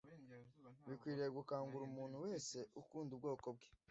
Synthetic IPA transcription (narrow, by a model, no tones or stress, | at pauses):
βikwiːɾeɡukaːŋɡuɾumuːnhuwe̞ːse̞ʔukuːndubɡo̞ːko̞b̚ɡe̥